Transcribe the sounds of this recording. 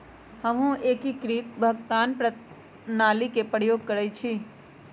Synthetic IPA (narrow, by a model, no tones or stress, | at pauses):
həmɦũʔeːkikɾiːt̪̚bʱəɡt̪aːnpɾə | naːlikepɾəjoːɡ̚kɐɾəit͡ʃʰiː